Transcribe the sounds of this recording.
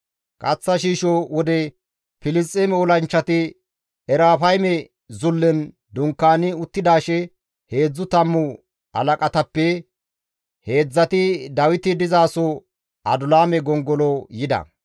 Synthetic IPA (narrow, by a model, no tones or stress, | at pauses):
kʼɐt͡sːɐʃiːʃɔwɔd̪ɛ | pɪlɪst͡sʼɛmɛɔlɐnt͡ʃːɐt̪ɪ | ɛɾaːfɐjmɛ | zʊlːɛn | d̪ʊŋkːaːnɪʊt̪ːɪd̪aːʃɛ | he̞ːd͡zːʊt̪ɐmːʊ | ɐ̰lɐkʼɐt̪ɐpːɛ | he̞ːd͡zːɐt̪ɪd̪ɐwɪt̪ɪd̪ɪzaːsɔ | ɐd̪ʊlaːmɛɡɔŋɡɔlɔjɪd̪ɐ̰